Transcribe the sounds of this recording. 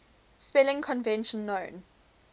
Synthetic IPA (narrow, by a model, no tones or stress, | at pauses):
spɛlɪ̃ŋkʰɔ̃nvɛ̃nʃə̃nːõːn